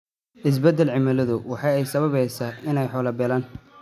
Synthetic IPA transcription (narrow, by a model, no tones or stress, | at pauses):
ʔɪs̬bɛd̪ːɛlʕɪmɐlɐðʊwɑħɑjɛjsɐβɐβɛjsaːɪnɛjħɔːlɐbɛlaːn